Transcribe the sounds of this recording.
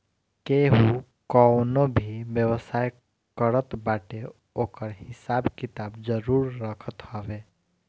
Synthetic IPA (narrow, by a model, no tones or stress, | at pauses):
keɦu | kɔnobʱiʋjəwəsaːj | kəɾət̪baːʈe | oːkəɾɦɪsaːbkɪt̪aːbd͡ʒəɾuːɾːəkʰət̪ɦɔʋe